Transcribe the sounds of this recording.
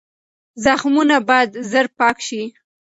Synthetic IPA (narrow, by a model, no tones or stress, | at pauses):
zaxmunabɑjad̪zəɾpɑkʃi